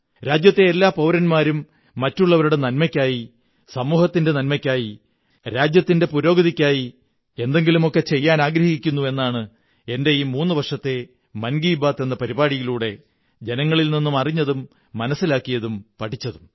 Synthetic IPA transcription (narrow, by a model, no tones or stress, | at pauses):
ɾaːd͡ʑjɐt̪ːe̞ːlːaːpɐwɾɐnmaːɾumː | ɐtːuɭːɐʋɐɾuɽe̞nɐlmɐkʲːaːji | sɐmuːhɐt̪ːinde̞nɐlmɐkʲːaːji | ɾaːd͡ʑjɐt̪ːinde̞puɾo̞ːɡɐðikʲːaːji | e̞nd̪e̞ŋɡilumo̞kːe̞t͡ɕe̞jːaːnaːɡɾɐhikʲːunːue̞nːaːɳɨ | e̞nde̞jiːmuːnːɨʋɐrʂɐt̪ːe̞ | mɐnɡiːbaːt̪ːenːɐpɐɾibaːɽijiluːɽe̞ | d͡ʑe̞nɐŋːɐɭilninːumɐriɲːɐðumː | ɐnɐsːilaːkːijɐðumpɐʈʰit͡ɕːɐðum